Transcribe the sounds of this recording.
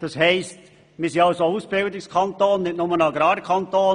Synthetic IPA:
d̥ɑshɛɪst | miːɐsinɑlsouːsb̥ɪldɪkskʰɑntoːnːɪt̚nʊmənɑɡɾɑːɾkʰɑntoːn

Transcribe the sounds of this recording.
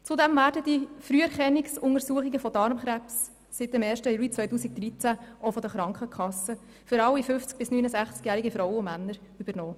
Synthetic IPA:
t͡sʊdɛmvæːɾdəd̥ifɾyːəɾχɛnɪksʊŋəɾsuəχiɡəfɔdɑɾmχɾæpsː | ɪt̚dɛmɛːɾʃtəjuːlit͡sʋœjtuːsik̚d̥̪ɾit͡sæʔofɔdəχɾɑŋkχəkχɑsːə | fʏɾɑwːifʏft͡sk̚b̥ɪsnyːnəsæχt͡skjæːɾiɡifɾɔwəʊmænːəɾ | yb̥əɾnɔː

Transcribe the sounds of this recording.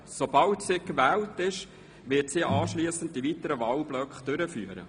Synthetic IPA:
sobɑltsikʋɛːltɪʃ | ʋɪtsiːʔɑːʃliəsənt̚divitəɾəʋɑlblœkχd̥ʏɾəfyːəɾə̰

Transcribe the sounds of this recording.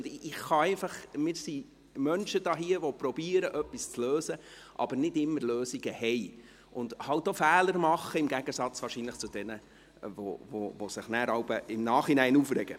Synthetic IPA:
nɪχːɑɛɪnfɑχmɪːɾsi | mœnʃəd̥̪ɑːɦiəʋɔpɾɔbiːəɾəʔœpːist͡sløːsə | ʔɑ̰bəɾnɪdɪmːəɾløːsiɡəhɛɪ | ʔʊnd̥̪hɑʊt̚dofæːləɾmɑχəɪmɡæɡ̥əsɑt͡sʋɑːrʃiːnləχt͡sʊd̥̪ɛnə | vo̰vo̰vosɪχnæɾɑwbəɪmnɑːχinæɪnuːfɾɛɡ̥ə

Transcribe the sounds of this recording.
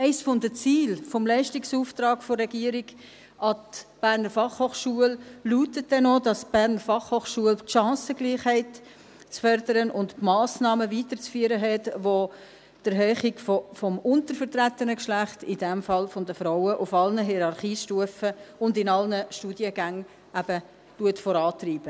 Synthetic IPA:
ɛɪsfɔnd̪ət͡siːlfɔmlɛɪʃtiksuːft̪ɾɑːɡfɔrɛɡiəɾiɡ | ʔɑtb̥æːɾnəɾfɑχhoːχʃuəlluːtət̚dɛnodɑsb̥æːɾnəɾfɑχhoːχʃuəltʃɑ̃ːsəɡ̥liːχhɛɪt | t͡sfœɾdəɾənʔʊntmɑːsnɑːməviːtəɾt͡sfyːəɾəɦɛtʋo | d̥əɾɦœːχɪɡfofɔmʊntəɾfəɾtɾætənəkʃlæχtɪdɛmfɑlfɔndəfɾaʊəʔʊfɑlnəɦiɾɑɾχiːʃtuəfəʊndɪnɑlnəʃtuːdjəɡæŋ | æb̥ə | tuətfɔɾɑːtriːb̥ə

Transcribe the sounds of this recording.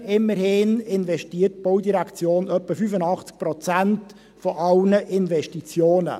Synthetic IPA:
ɪmːəɾhɪːnɪnvɛʃtiːərtb̥oʊdiɾɛkt͡sjoːnœpːəfyfənɑχt͡sk̚pɾɔt͡sænt | fɔʔɑlnəʔɪnvɛʃtit͡sjoːnə̰

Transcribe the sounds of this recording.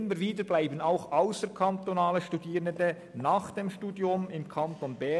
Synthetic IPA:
məɾviːdəblaɪbənaʊxaʊsəkʰɑnt̪onaːləʃtudiːʁəndə | naːχd̥eːmʃtuːdjʊmɪmkʰɑnt̪onbɛ

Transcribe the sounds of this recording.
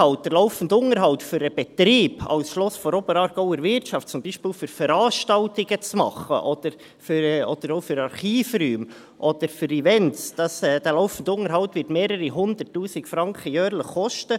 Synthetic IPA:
ɑwt̚d̥əɾlɔʊfən̩dʊŋəɾɦɑlwtfʏɾəb̥ɛtɾiːbɑ̰lsʃlɔsfɔɾobəɾɑːɾɡ̥oʊəɾvɪɾtt͡ʃɑft̚t͡sʊmbiːʃpiːlfyɾfəɾɑːʃtɑltɪɡət͡smɑ̰χə̰ʔɔd̥əɾ | fyɾɔd̥əɾoʊfyɾɑɾχiːfryːm | ʔɔd̥əɾfʏɾivɛntsd̥ɑsɛd̥ɛlɔʊfən̩dʊŋəɾɦɑʊtvɪtmeːɾəɾiɦʊnd̪ətːuːsɪkfɾɑŋkχəjœːɾləχːɔʃtə

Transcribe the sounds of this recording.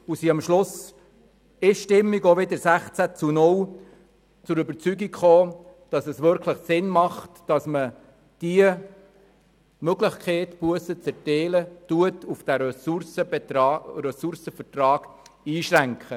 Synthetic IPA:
usiːɑmʃlʊs | ɪʃʃtɪmːiɡoʋɪdəɾsæχt͡sæt͡sunʊl | t͡sʊɾʏbəɾt͡syɡikχoːd̥ɑsɛsʋʏɾkʰləχsɪnmɑχtd̥ɑsmə | d̥iə | møɡləχkʰeɪtpuəsət͡sɛɾtɛɪlətuətufd̥æɾssəbɾɛsʊɾsəfərtrɑːɡ̥iːʃræŋkχə

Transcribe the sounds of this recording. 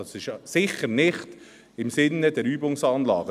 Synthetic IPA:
ɑsɪʃsɪχəɾnɪχt | ɪmsɪnːədɛɾyːbʊŋsɑːnlɑ̰ːɡə

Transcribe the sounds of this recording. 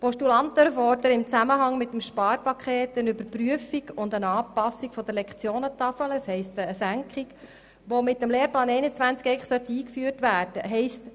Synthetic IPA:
pɔʃtulɑnt̪əɾfɔɾdəɾɪmt͡sæməɦɑŋmɪtːəmʃpɑːɾpɑkχɛeːtənybəɾpɾyəfiɡʊndənɑːpɑsikfɔd̥̪əɾlɛkχt͡sjoːnət̪ɑfələshɛɪstəːsæŋkχik | ʋomɪtːəmleːɾplɑːnɛɪnət͡sʋænt͡skɛɪkχsœt̪ːəiːkfyərtʋæːɾd̥əɦɛɪst

